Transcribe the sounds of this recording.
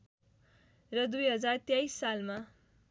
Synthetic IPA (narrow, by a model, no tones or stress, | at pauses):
rʌd̪ujɦʌd͡zart̪jajsːalma